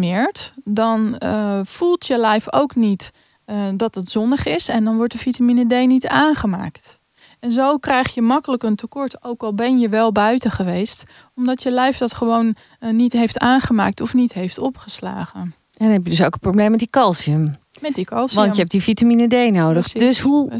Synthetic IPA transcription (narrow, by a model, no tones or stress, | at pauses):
mɪːɹtdɑnv̥ulˠtjəlɛjfo̰wknit | dɑtətz̥ɔndəχɪsɛndɑnʋɔɹt̚dəfitaminədejnitaːnχəma̰ːkt | ɛnzowkrɛjχjəmɑkələkəntəkɔɹtowkɑlˠbɛnjəʋɛlˠbœɥtəχəʋejst | ɔmdɑtjəlɛjfdɑtχəʋownː | itɦejftaːnχəma̰ːk̚tɔfnitɦejftɔpχəsla̰ːχən | ʔɛndnɦɛpjədɵsowkəproblejmːɛtəkɑlˠsiəm | mɛtdikɑlˠsʋɑntjəɛp̚difitaminədejnowdəχdøsɦu